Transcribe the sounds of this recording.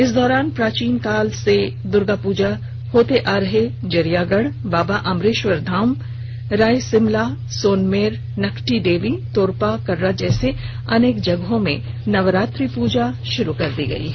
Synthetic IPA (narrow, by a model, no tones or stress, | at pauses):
ɪsd̪ɔːɾaːnpɾaːt͡ʃiːnkaːlsed̪ʊɾɡapuːd͡ʒa | hoːt̪eʔaːɾɐɦed͡ʒɐɾijaːɡəɽbaːbaʔɐmɾeːʃʋəɾd̪ʱaːm | ɾaːjsɪmla | soːnmeːɾ | nɐkʈiɖeːʋit̪oːɾpakɐɾːad͡ʒɛːse | ɐneːkd͡ʒɐɡɦõmḛ̃ | nɐʋəɾaːt̪ɾipuːd͡ʒaʃʊɾukɐɾd̪iɡɐ̰ḭː